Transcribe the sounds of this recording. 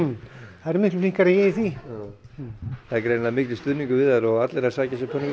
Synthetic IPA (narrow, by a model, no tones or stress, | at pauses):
θaðɛɾmɪhklʏflĩŋ̥kaɾajɛːjiθi | θaðɛɾkɾejnaðmɪhklɪst̪ʏðniŋkʏvɪðaɾɔɣat̪leɾasaːcasɛpʰœniŋk